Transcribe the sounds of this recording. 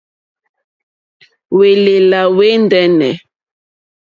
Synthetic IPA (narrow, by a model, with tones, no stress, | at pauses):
we˨le˨la˨we˦ndɛ˦nɛ̰˨